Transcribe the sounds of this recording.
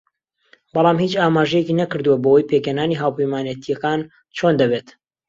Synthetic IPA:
bɑlˠɑːmhiːt͡ʃaːmaːʒɛjekinɐkɨɾd̪uwɐbɐwɐjpʰekenaːniɦaːwpɐjmaːnet̪ʰijɐkan | t͡ʃʰond̪ɐβet̪

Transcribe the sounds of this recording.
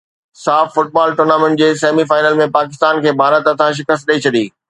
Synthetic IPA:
saːffʊʈ̚baːlʈʊɾnaːmẽɳʈ̚d͡ʑeːseːmifaːɪnəlmẽpaːkɪst̪aːnkʰeːbʱaːɾət̪ət̪ʰãʃ̬ɪkəst̪̚ɗəit͡ɕʰɐɗiː

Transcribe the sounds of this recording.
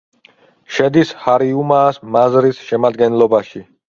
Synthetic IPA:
ʃɛd̪ishaɾiumaːsmazɾisʃɛmad̪ɡɛnlɔbaʃi

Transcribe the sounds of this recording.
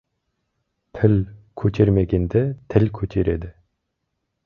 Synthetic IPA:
t̪ʰɪlʲkʰɵt̪ʲʰeɾmeɡʲend̪et̪ʰɪlʲkʰɵt̪ʰeɾed̪ɪ

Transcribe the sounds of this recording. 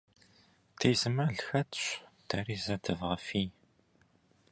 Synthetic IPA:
t̪ʰizəmɐɮxɐtɕʷtʰɐɾizɐtʰəvʁɐfi

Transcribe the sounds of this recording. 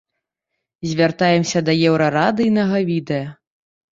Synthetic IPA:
zʲvʲart̪ajɛmsʲɐd̪ɐjɛwɾɐɾad̪ɨjnɐɣɐvʲid̪ɛjɐ

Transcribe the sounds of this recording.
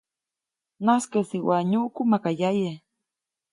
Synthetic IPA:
naskesiwaɲukumakajaje

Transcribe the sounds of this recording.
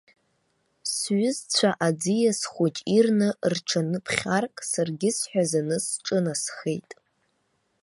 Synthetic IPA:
sɥʊzt͡sʷʰaʔad͡zijasχʷut͡ʃʼirnɨrʈ͡ʂʰanɨpʰχʲarkʼsarɡʲɪsħʷᶣazanɨsʈ͡ʂʼɨnasχejtʼ

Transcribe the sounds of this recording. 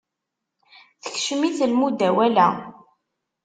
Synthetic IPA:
θə̥çʃəmiθlmud̪æwælæ̰

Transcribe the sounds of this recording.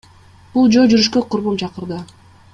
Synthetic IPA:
b̥ulˠd͡ʒo̞d͡ʒyɾyʃkøqʰʊɾβumt͡ʃʰɑqɯɾd̪ɯ

